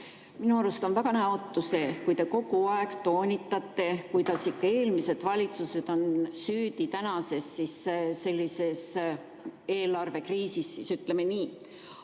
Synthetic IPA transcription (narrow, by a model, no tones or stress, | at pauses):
minuɑɾust̪onvæɡ̥ɑnæot̪ːˑuse̞kujt̪e̞ko̞ɡ̥uɑe̞ɡ̥t̪o̞ːnʲit̪ːˑɑt̪ːe̞kujt̪ɑsikːɑe̞ːlmise̞d̪̥vɑlʲit̪suse̞d̪̥o̞nsyːd̪̥it̪ænɑse̞sːisse̞lʲːise̞s | e̞ːlɑrve̞kriːsisːisyt̪le̞me̞niː